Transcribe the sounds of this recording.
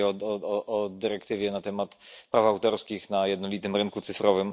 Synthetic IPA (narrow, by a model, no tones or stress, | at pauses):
ɔɔɔʔɔd̪ɘɾɛkt̪ɘvʲjɛnat̪ɛmat̪pɾafawt̪ɔɾskʲixnajɛd̪nɔlʲit̪ɘmɾɘŋkut̪sɘfɾɔvɘm